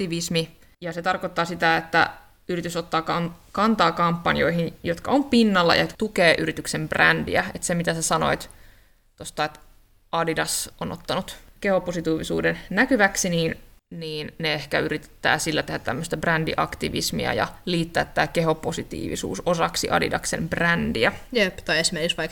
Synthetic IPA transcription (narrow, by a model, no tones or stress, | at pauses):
t̪iʋismi | jɑset̪ɑrkot̪ːɑːsit̪æet̪ːæ̰ | yrit̪ysot̪ːɑːkɑnkɑnt̪ɑːkɑmpːɑnio̞ihinjot̪kɑ̰ompinːɑlːɑ̰ʔɑt̪ukeːʔyɾit̪yksembræ̰ndḭæet̪semit̪æsæsɑno̞̰it̪ | t̪ost̪ɑet̪ | ɑdidɑsonʔot̪ːɑnut̪kehoposit̪uːʋisṵːdennækyʋæksiniːnniːnneehkæyrit̪e̥t̪ːæ̰ːsilːæt̪ehæt̪t̪æmːøst̪ɑbrændḭʔɑ̰kt̪ḭʋismḭæ̰jɑ̰liːt̪ːæːt̪ːæːkeɦo̞posit̪ḭːʋḭsṵːsosɑksiʔɑ̰dḭdɑ̰ksembrændiæjept̪ɑiesmerkiksʋɑik